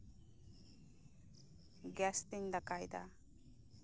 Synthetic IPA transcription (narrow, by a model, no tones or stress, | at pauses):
ɡɛst̪iŋd̪akajd̪a̰